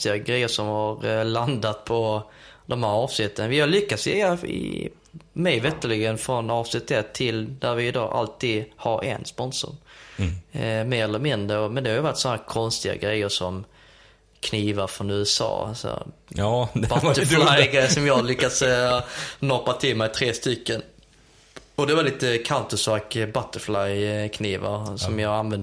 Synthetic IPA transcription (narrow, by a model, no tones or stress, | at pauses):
t̪ɪɡaɡɾɛjːəʂɔmhaɾland̪at̪pʰɔd̪ɔmhæːɾɑːvsnɪt̪ːənvɪhalʏkːat̪sjɛaɪ̰ | mɛjvɛt̪ːəlɪːɡənfɾɔnɑːvsnɪt̪ːɛt̪ʰːɪld̪æɾvɪɪd̪ɑ̰ːʔa̰lt̪ʰiːd̪haɾɛ̰nspɔnsʊ̰ɾ | meːɾɛlːəɾmɪnd̪ɾəɔmɛnd̪ɛhaɾjʏvaʈːsɔnahæːkʰɔnst̪ɪɡa̰ɡɾɛjːəʂɔm | kʰniːvaɾfɾɔnʉ̟ːɛsɑ̰ːsɔ̰ | bat̪ːəflajɡɾɛjːəsɔmjɑlʏkːas | nɔpːat̪ʰɪlmɛɪt̪ʰɾeːst̪ʏkːən | ɔd̪ɛvaliːt̪əkʰaʊnt̪əsvakbat̪ːəflajkʰniːva̰ɾsɔmjɑːɡanvɛnd̪